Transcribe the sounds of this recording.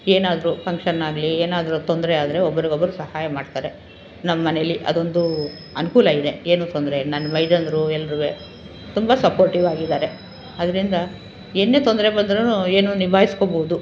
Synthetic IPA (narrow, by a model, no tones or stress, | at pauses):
eːnaːd̪ɐɾupɐŋkʂɐnaːɡlieːnaːd̪ɐɾut̪ond̪ɐɾeaːd̪ɾe̞ɔbːɐɾiɡɔbːɐɾusɐhaːjɐmaːɖt̪aːɾe̞ | nɐmːɐːɐnejɐlːiʔɐ̰d̪o̞nd̪u | ɐnukuːlɐid̪e̞eːnuːt̪ond̪ɾenɐnːɐmɐjɖɐnd̪ɾuɛlːɐɾuʋe | t̪umbɐsɐpoːɾʈiʋaːɡid̪aːɾe̞ | ɐd̪ɐɾind̪ɐ | enːet̪ond̪ɐɾe̞bɐnd̪ɾenue̞ːnunibʱaːjiskoːboud̪u